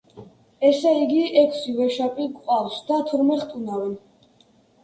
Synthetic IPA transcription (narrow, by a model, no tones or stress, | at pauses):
ɛsɛiɡiɛkʰsivɛʃapʼiɡqʼafsd̪at̪ʰuɾmɛɾχt̪ʼunavɛn